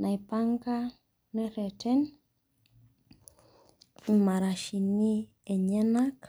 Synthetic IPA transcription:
na˨jpa˦ŋka˦ | nɛ˦ɾɛ˨tʰɛ˦n | i˨ma˨ɾa˨ʃi˨ni˦ | e˨ɲɛ˦na˦k

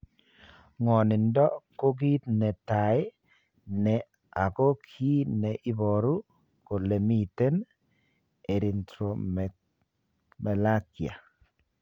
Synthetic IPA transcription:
ŋɔ˨nɪ˨ndɔ˦ko˦ɡi˦t̪nɛ˨ta˨ɪ˦ | nɛ˨ | a˨ko˦kʰi˦nɛ˨ʔɪ˦bɔ˨ɾu˦ | ko˨le˨mi˦˨te˦n | e˨ɾi˨ntɾo˨ | mɛ˨la˦kja̰˨

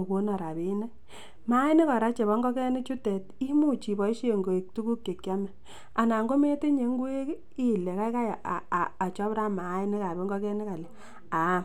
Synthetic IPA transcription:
ko˦nɔ˨ɾa˨be˨˦ne˦ | ma˦i˦ni˦kɔ˨ɾa˦t͡ʃe˨βɔ˦ŋɡɔ˦kɛ˦ni˦t͡ʃu˦tɛ˨ti˦mu˦t͡ʃi˨bɔ˨˦i˦ʃe˦˨ŋɡo˨i˨k̚tu˦ku˦kje˨kja˦mɛ˨ | a˨na˨ŋɡo˦me˦te˦ɲe˨ŋɡu˦e˦ | i˦˨le˨ka˦ka˦ja˨ʔːt͡ʃɔ˦bɾa˦ma˨˦i˦ni˦ka˨be˦ŋɡɔ˦kɛ˦ni˦ka˨lɛ˨ | a˨˦˨

